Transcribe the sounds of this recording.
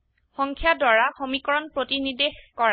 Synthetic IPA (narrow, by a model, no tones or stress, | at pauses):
xɔŋkʰjadwaɹaxomikɔɹɔnpɹotinidekɔɹa